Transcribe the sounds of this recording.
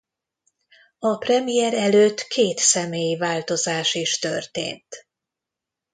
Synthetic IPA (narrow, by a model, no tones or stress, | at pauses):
ɒprɛmijɛɾɛløːt̪kʰeːt̪sɛmeːjivaːlt̪o̞zaːʃiʃt̪ø̰rt̪ḛːnt̪